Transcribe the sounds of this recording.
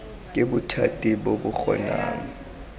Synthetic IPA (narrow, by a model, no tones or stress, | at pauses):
k̬ʼeɓutʰatʼiɓoɓuxɔ̰naːŋɔ